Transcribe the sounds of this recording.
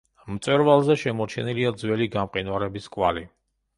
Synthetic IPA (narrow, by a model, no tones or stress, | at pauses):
mt̪sʼwɛɾvalˠzɛʃɛmɔt͡ʃʰɛniliad̪zwɛliɡamqʼinwaɾɛbiskʼwa̰li